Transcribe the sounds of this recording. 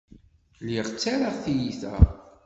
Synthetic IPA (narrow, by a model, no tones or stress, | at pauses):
liʁt͡sːaɾaʁθijiθæ̰